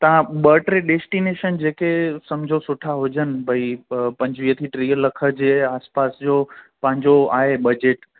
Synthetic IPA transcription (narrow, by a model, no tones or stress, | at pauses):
t̪ɐʋ̤ãɓəːʈɾeɖeːsʈineːʃənd͡ʑeːkesɐmd͡ʑʱosʊʈʰaɦoːd͡ʑənɪ̆bʱɐipɐ̃ɲd͡ʑʋiːət̪ʰiʈɾiːəlːɐkʰə̆d͡ʑeːaːspaːsd͡ʑoːpɐ̃ɦɪ̃ɲ̆d͡ʑoaːɦeɓɐd͡ʑeːʈ